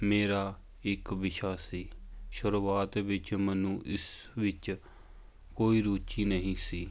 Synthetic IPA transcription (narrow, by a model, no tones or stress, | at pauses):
meːɾaː | ɪkʋɪʃaːsiːʃʊɾuːaːt̪ʋɪt͡ʃmənũːʔɪs | ʋɪt͡ʃ | koːiːɾuːt͡ʃiːnəɦĩːsiː